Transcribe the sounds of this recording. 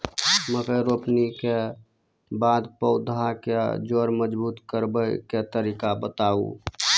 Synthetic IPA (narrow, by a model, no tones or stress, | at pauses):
məkeɾopnike | baːd̪pəʊd̪ʱaked͡ʒoɾməd͡ʒbuːt̪kəɾbəjket̪əɾikabət̪aṵ